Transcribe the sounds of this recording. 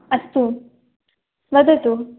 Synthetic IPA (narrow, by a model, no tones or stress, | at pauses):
ɐst̪u | sʋɐd̪ɐt̪u